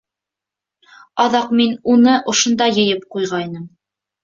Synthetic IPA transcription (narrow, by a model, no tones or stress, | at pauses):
ɑðɑqminunɤʔŏʃŏnd̪ɑjɤ̆jɤp̚qujʁɑjnɤm